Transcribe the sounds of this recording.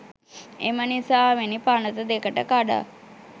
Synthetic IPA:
ḛmənisaːʋenipanət̪əd̪ekəʈəkaɖa̰

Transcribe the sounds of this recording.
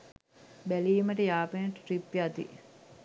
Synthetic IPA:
bæliːməʈəjaːpenəʈəʈɾipːjat̪ḭ

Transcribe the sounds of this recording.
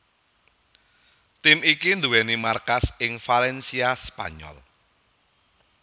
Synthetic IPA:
t̪imikind̪uwɛnimarkasɪŋfalɛnsiaspa̰ɲɔ̰l

